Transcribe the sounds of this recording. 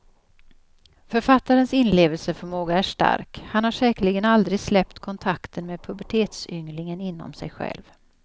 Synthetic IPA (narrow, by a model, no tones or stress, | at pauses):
fœɾfat̪ːaɾənsɪnleːvəlsəfœɾmoːɡaæʂʈa̰ɾkhanhaʂɛːkəɭɪɡənald̪ɾɪɡslɛp̚t̪kʰɔnt̪ʰakt̪ʰənmeːd̪̚pʰɵbæʈʰeːt̪sʏŋlɪŋənɪnːɔ̰msɛ̰jɧɛ̰lv